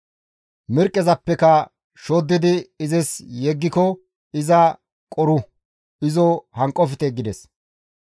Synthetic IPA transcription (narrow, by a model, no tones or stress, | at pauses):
mɪɾkʼːɛzɐpːɛkɐ | ʃod̪ːɪd̪ɪːzɪsjɛɡːɪkɔ | ɪzɐ | kʼɔɾʊ | ɪzɔhɐŋkʼːɔfɪt̪ɛɡɪd̪ɛs